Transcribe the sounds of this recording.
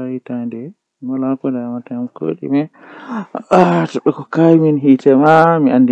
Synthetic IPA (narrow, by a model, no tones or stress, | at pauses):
aitandɛ | mɔlakɔdamataamko̰ːɗḭmɛ | atɔɓɛkɔkajiminɦitɛmamiandi